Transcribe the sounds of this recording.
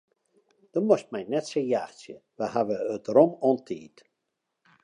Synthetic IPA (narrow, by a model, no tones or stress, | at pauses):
d̥̪ɔmɔst̚majnɛtsejaːxsəvahavəət̪rɔmɔnt̪ʰiːt̪